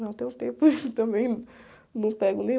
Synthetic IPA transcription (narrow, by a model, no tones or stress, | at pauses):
nɐ̃w̃t̪ẽj̃ũt̪ẽpʊt̪ɐ̃mẽj̃ | nɐ̃w̃pɛɡʊnẽj̃